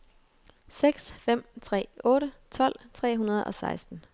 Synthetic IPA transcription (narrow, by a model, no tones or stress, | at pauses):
seɡ̥sfem̰t͡sʰʁɛ̰ːɔ̽ːɾət͡sʰɒ̽l̰t͡sʰʁɛ̰ːɦunɐð̞ˠɒ̽sɑ̈ɪsd̥n̩